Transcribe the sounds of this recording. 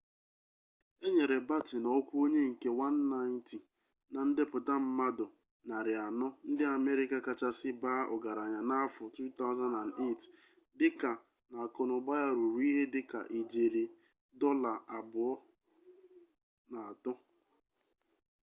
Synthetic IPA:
e˦ɲe˨ɾe˨ba˦tɪ˨nɔ˨ɔ˦kʷu˦o˦ɲe˦ŋ̩˨ke˦wa˦n̩ː˦a˦ɪ˦ntɪ˨ | na˨n̩˦dɪ˦pʊ˨ta˦m̩˦ma˦dʊ˨ | na˨ɾɪ˨a˨nɔ˦n̩˦dɪ˦a˨me˦ɾɪ˦ka˦ka˨t͡ʃa˦sɪ˦baː˦ʔɔ̰˨ɡa˨ɾa˨ɲa˨na˦fʊ˨tu˦t̪a˦ʊ˦za˦na˨ne˦˨t | dɪ˦ka˨ | na˨kɔ˨nʊ˨ɡ͡ba˦ja˦ɾu˨ɾu˦i˦ɦe˦dɪ˦ka̰˨ʔi˨d͡ʒe˨ɾi˨ | dɔ˦la˨a˨bʊ˨ɔ˦ | na˨a˨tɔ˦

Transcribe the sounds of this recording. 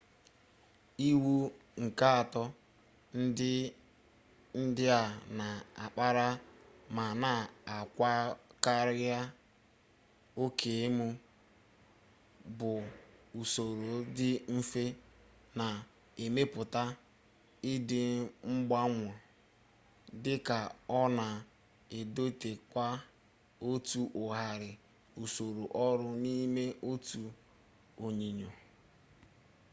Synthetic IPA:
i˦wu˦ | ŋ̩˨ka˦a˨tɔ˦ | n˦ | n̩˦dɪ˦a˨na˨a˨k͡pa˦ɾa˦ma˨na˨a˨kʷa˦ka˦ɾja˦ | o˦kʰe˨e˦mu˦ | bʊ˨u˨so˨ɾo˨˦dɪ˦m̩˦fe˦ | na˨ | e˨me˦pʊ˨ta˦ | ɪ˦dɪ˨ŋ͡m̩˦ɡ͡ba˦ŋʷɔ˨ | dɪ˦ka˨ɔ˦na˨ | e˨do˦te˨kʷa˦ | o˦tu˦ʔʊ˨ɦa˨ɾɪ˨ | u˨so˨ɾo˨ʔɔ˦ɾʊ˦ni˦me˦ʔo˦tu˨ | o˨ɲi˨ɲo˨

